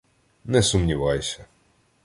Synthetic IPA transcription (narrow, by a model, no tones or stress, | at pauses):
nɛsʊmnʲiʋɑjsʲɐ